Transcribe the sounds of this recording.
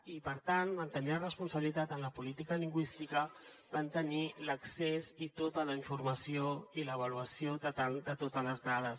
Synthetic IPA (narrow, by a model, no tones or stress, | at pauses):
ipəɾt̪anmənt̪əniərəspunsəβilit̪at̪ənləpulit̪ikəliŋɡwist̪ikə | bənt̪əniləksezit̪ot̪ələiɱfuɾməsioiləːβ̞əluəsiod̪ət̪ald̪ət̪ot̪ələzðað̞əs